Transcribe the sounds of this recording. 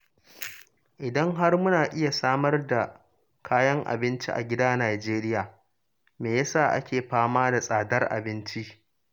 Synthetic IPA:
ʔɪ˨dɐ˦ŋɦa˦rmʊ˦naː˨ʔɪ˦ja˨saː˦mɐ˦rda˨ | kʰaː˦jɐ˦ŋʔa̰˨bɪ˦nt͡ʃi˦ʔa̰˨ɡʲɪ˦daː˦naː˨d͡ʒeː˦ɾɪ˦jaː˨ | meː˨jɐ˦saː˦˨ʔa̰˦kʲeː˨ɸaː˦maː˦da˨sʼaː˨dɐ˦rʔa̰˨bɪ˦nt͡ʃi˦ʔ

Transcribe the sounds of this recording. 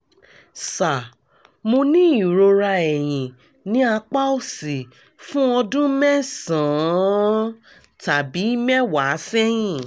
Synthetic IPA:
sa˨ | mo˧nĩ˦i˨ɾo˧ɾa˧ɛ˨j̃ĩ˨ | nĩ˨˦a˧k͡pa˦o˦˨si˨ | fũ˦ɔ˧dũ˦mɛ̃˦sã˨˦ | ta˨bi˨˦i˦mɛ̃˦wa˨˦sɛ˦j̃ĩ˦˨

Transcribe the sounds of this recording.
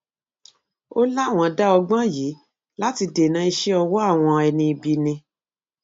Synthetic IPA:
o˦la˦˨w̃ɔ̃˨˧da˦ɔ˧ɡ͡bã˦jiː˨˦ | la˦ti˧de˨nã˦i˧ʃɛ˦ɔ˧wɔ˦a˦˨w̃ɔ̃˧ɛ˧nĩ˧i˧bi˧nĩ˧

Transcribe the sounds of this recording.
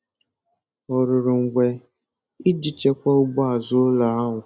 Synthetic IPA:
ɔ˨ɾʊ˨ɾʊ˨ŋ̩˨ɡʷe˨ | i˦d͡ʒi˨t͡ʃe˦kʷa˦ʊ˦bʊ˦a˨zʊ˦o˦la˦a˦ɦʊ˨

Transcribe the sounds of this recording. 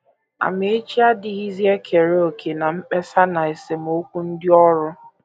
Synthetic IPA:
a̰˨me˨e˦t͡ʃi˦a˦dɪ˨ɣi˦zi˦e˦kʰe˨ɾe˦o˨kʰe˨na˨ŋ͡m̩˦k͡pe˦sa˦na˨e˨se˨m˦o˦kʷu˦n̩˦dɪ˦ɔ˦ɾʊ˦

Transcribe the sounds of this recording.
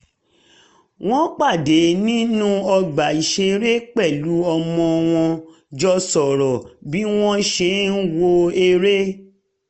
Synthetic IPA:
w̃ɔ̃˦k͡pa˦˨de˨˦nĩ˦nũ˦ɔ˧ɡ͡ba˨i˨ʃe˧ɾe˦k͡pɛ˦˨lu˨˦ɔ˧mɔ̃˧w̃ɔ̃˧ | d͡ʒɔ˧sɔ˨ɾɔ˨bi˦w̃ɔ̃˦ʃe˧˦n̩˦wo˧e˧ɾe˦

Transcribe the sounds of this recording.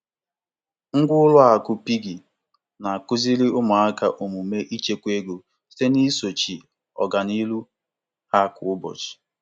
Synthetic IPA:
ŋ̩˦ɡʷʊ˦lʊ˦a˨kʊ˦pi˦ɡi˨ | na˨kʊ˦zi˦li˦ʊ˦mʊ˨a˦ka̰˦ʔo˨mu˨me˦ʔi˦t͡ʃe˦kʷe˦ɡo˨ | se˦ni˦so˨t͡ʃi˨ | ɔ̰˨ɡa˨ni˦lu˦ | ha˦˨kʊ˨ʊ˦bɔ̰˨t͡ʃɪ̥˨

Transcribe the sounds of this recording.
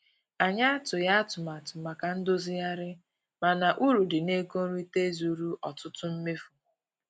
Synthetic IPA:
a˨ɲa˦a˦tʊ˨ja˦a˦tʊ˨ma˨tʊ˨ma˨ka˨n̩˦do˦zi˦ja˦ɾɪ˦ | ma˨na˨ʔu˦ɾu˨dɪ˨ne˦ko˦ɾu˦i˦te˦zu˨ɾu˦ʔɔ˨tʊ˦tʊ˦m̩˦me˦fu˨

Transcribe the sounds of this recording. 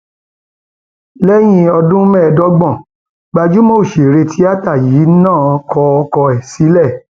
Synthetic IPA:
lɛ˦j̃ĩ˧ɔ˧dũ˦mɛ̃˦˨˧dɔ˦ɡ͡bɔ̃˦˨ | ɡ͡ba˧d͡ʒu˦mo˦˨ʃe˨ɾe˧tʰi˦a˦ta˦˨jiː˨˦nãː˦˨ɔ˧kʰɔ˧ɔ˧kɔ˧ɛ˨si˨˦lɛ˦˨

